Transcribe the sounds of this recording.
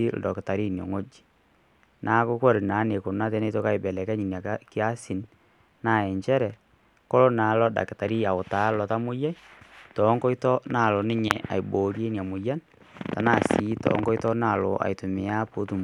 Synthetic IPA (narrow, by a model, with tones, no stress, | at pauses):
i˦l̩̰˨dɔ˨kɪ˨ta˨ɾi˦njo̰˨ŋo˦d͡ʒi̥˨ | nʔa˨˦ko˦ko˦˨ɾi˨na˨˦ne˨ko˨na˦t̬e˦ne˦to˦ka˦i˨bɛ˨lɛ˨kɛ˦ɲi˨na˨˦kɪ˦a˦si˨n | na˦˨ɛ˨ɲt͡ʃɛ˦ɾɛ˨ | ko˦lo˦na˨lɔ˦da̰˨kɪ˨ta˨ɾi˦a˨o˨ta˨˦lɔ˨ta˦mu˦ja˦tɔ˨˦ŋko˦i˦tɔ˦na˦˨lo˨nɪ˦ɲe˨a̰˨jbo˨ɾje˦nja˨mu˨ja˦n | ta˨na˨si˨˦tɔ̰˨˦ŋkɔ˦i˦tɔ˦na˦˨lo̰˨ʔa̰˨i˨tu˨mɪ˨a˦po˦tu˨m